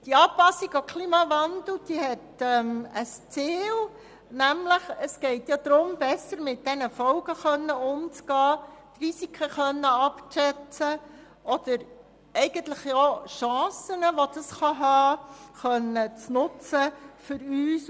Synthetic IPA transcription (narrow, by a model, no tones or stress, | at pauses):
d̥iɑːpɑsiɡokʰliːmɑvɑnd̪l̩d̪̥iɦɛtɛməst͡seːl | næmləχəsɡ̥ɛɪtjɑd̪̥ɾʊmb̥ɛsəɾmɪt̚d̥ɛnəfɔlɡəχœnːəʊmt͡sɡ̥ɑːt̪risikʰəχœnːəɑpt͡ʃɛt͡sə | ʔɔd̥əɾ | ɛɪɡ̥əntləχjoʃɑ̃ːsənəʋod̥̪ɑsχɑɦɑːχœnːət͡snʊt͡səfʏɾyːs